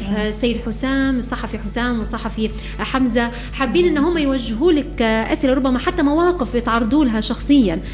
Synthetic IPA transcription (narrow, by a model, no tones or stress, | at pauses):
sajːɪd̪ħʊsaːmsˤːɑħɑfiħʊsaːmwɨsˤɑħɑfi | ʔħamza | ħabːiːnʔɪnːʊɦʊmːajwaʒːɪɦuːlɪkʔasʔɪlaɾˤʊbːamaħat̪ːamawaːqɪfjɪt̪ʕɑrˤːɑd̪ˤuːlaɦaʃɑxsˤɨjːan